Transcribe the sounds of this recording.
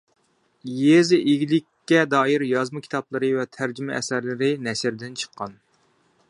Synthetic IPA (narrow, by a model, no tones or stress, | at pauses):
jezɪʔeɡʲilɪkʲːɛd̪ɑːjiɾjɑzmɨkʲʰi̥t̪ʰɑplˠəɾɨvɛt̪ʰæɾd͡ʒymɛʔɛsæɾlɪɾɪnɛʃɪɾd̪ɪnt͡ʃʰə̥qʰːɑn